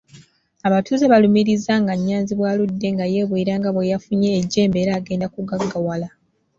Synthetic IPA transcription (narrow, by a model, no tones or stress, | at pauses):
aβatʰuːzeβalumiɾizaŋɡaɲːaːnziβwaːludːe̞ŋɡaje̞βweiɾaːŋɡaβwejafuɲe̞ːɟːe̞ːmbe̞ɾaːɡe̞ːndakuɡaɡːawala